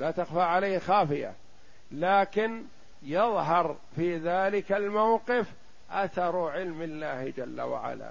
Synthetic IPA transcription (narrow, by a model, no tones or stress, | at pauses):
laːt̪axfaːʕalaːhxaːfɪja̰ | laːkɪn | jɑðˤɦɑɾˤ | fiːðaːlɪkalmawqɪf | ʔaθɑɾˤʕɪlmɪlːaːhd͡ʒalːa̰wa̰ʕa̰la̰ː